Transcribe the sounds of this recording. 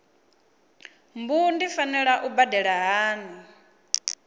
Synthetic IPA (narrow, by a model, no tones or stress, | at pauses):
mbundifanɛɺaʔubadɛɺaɦaːni